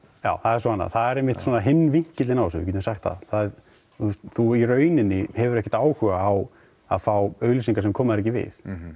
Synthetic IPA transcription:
ja̰ːwθaðɛɾsɔanːa̰ðθaðɛɾejmːɪht̪sɔnaɦɪnːviɲ̥cɪt̪ɪnawsʏ̰vɪ̰cʰɛt̪ʏmsaxt̪θa̰ðθa | ust̪θuirœːɥnɪnːɪhɛvʏɾɛhcɛ̥t̪aːwhʏɣaːw | a̰ðfaːwœɥlis̬iŋkasɛmkʰɔːmaðɾɛcɪvɪ̰θ

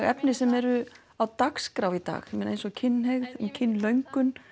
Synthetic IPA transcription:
ɣɛ̰pnɪsɛmɛɾʏ | awt̪akskɾawit̪a̰ːxmenejnsɔɣcʰɪnːɦeɣðncʰɪnːlœɥŋkʏn

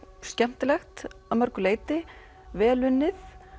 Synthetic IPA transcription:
scɛm̥t̪ɪlɛxt̪amœɾkʏleːjt̪ɪ | vɛːlʏnːɪθ

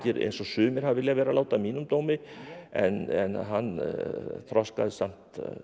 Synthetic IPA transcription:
cɪɾḛjnsɔsʏːmɪɾ̥havvɪljavɛːɾalaːwt̪amiːnʏmt̪oːwmɪɛ̰nɛ̰nɦanː | θɾɔska̰ðɪsam̥t̪

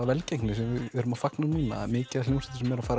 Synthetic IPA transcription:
avɛlcejknlɪs̬ɛmvɪðɛɾʏmafaknanuːna̰mɪːcɪðal̥owsɛ̥t̪ːsɛmːɛɾafaːɾ

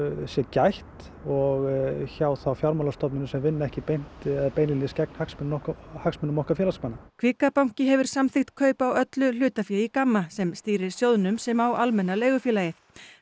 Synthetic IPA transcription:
sjɛcajht̪ | ɔɣçaːwθawfjawɾmalast̪ɔpnʏnʏsɛmvɪnːɛhcɪpejn̥t̪peːjnɪlnɪscɛk̚n̥haksmʏnnɔkhaksmʏnʏmːɔhkafjɛlaskmanːakʰv̥ɪːkapawŋ̥cɪɦɛvʏɾ̥samθɪxt̪kʰœːɥpawœt̪lʏl̥ʏːt̪afjɛikamːasɛmst̪iːɾɪɾ̥sjowðnʏmsɛmawalmɛnːaleːjɣʏfjɛːlaːjɪ

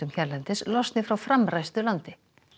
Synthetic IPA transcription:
ʏmçɛɾlɛnt̪ɪslɔst̪nɪfɾawfɾamɾajst̪ʏlant̪ɪ

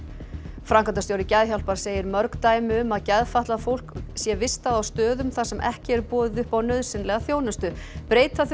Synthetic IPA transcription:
fɾaŋkant̪asjowɾɪcɛðçawl̥paɾ̥seːjɪɾmœɾkt̪aːjmɪʏmaðcɛðfaht̪laðfowl̥ksjɛvɪst̪aðawst̪œːðʏmθasɛmʔɛ̰hcɪɛɾpɔːðɪðʏhpawnœðsɪnlɛɣaθjownʏst̪ʏpɾeːjt̪aθ

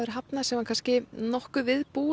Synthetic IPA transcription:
ʏɾ̥ɦapnasɛmakʰanscɪnɔhkʏvɪðpuː

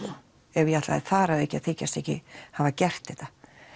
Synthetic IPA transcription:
ɛvjaht̪la̰ðɪθaɾaðɛhcːɪaθeːcːast̪ɛhcɪhavacɛr̥t̪ɪht̪ḁ

